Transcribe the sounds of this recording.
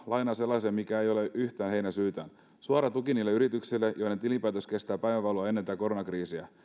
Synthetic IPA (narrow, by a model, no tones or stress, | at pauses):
lʔɑjnɑːse̞lːɑsiɑmikæejo̞le̞ʔyçt̪æːnɦe̞jnæsyːt̪æ̰ːn | suɑɾɑt̪ukiniːlːeyɾit̪yksilːejojnent̪ilimpæːt̪oske̞st̪æːpæjʋæʋɑuloɑe̞nːent̪æːko̞ɾonɑkriːsiæ̰